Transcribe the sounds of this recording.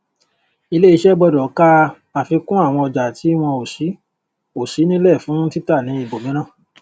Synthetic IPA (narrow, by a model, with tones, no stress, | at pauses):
i˧le˦i˧ʃɛ˦ɡ͡bɔ˧dɔ˨˦ka˦ | a˨fi˧kũ˦a˦˨w̃ɔ̃˧ɔ˧d͡ʒa˨ti˨˦w̃ɔ̃˧o˨si˨˦ | o˨si˨˦nĩ˦lɛ˦˨fũ˨˦ti˦ta˦˨nĩ˨˦i˧˨bo˨mĩ˨˦ɾ̃ã˦˨